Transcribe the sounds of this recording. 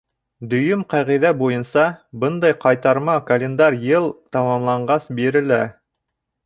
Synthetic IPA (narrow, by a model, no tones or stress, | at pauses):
d̪ɵ̆jɵmqæʁiðæbujɤnsɑbɤnd̪ɑjqɑjt̪ɑɾmɑkɐlʲend̪ɑɾjɤlˠt̪ɑmɑmlˠɑɴɢɑsbiɾɘ̆læ